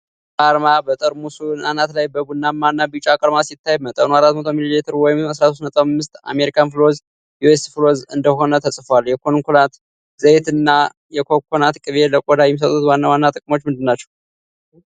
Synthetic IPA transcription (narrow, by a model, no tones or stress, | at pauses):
kʼaɾmabət̪ʼəɾmusunanat̪lajbəbunːamːanːabit͡ʃʼakʼəɾmasit̪ʰːajmət̪ʼənuaɾat̪ːmət̪ʰo̞mililit̪ʰɨɾwɔjɪmasɾasʰosnət̪ʼəwmːɨst̪a̰me̞ɾikʰanfɨloz | juesfɨlozɨnd̪əho̞nət̪ʰəsʼfwaljɛkʰonŋkolat̪ | z̥əet̪ɨnːa | jɛkʰokʰonat̪kʼɨβeləkʼod̪ajɛmis̬ət̪ʼːut̪wanːawanːat̪ʼɨkʼmo̞t͡ʃːmɨnd̪ɨnːat͡ʃːɛ̥w